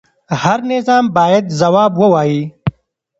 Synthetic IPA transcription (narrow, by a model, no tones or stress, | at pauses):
hɐɾnɪzɑːmbaːjɐd̪zɐwɑːbwəwaːjiː